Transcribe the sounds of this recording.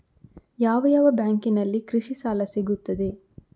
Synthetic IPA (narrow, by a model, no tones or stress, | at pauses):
jaːʋɐjaːʋɐbjaːŋkinɐlːikɾiʃisaːlɐsiɡut̪ːɐd̪e̞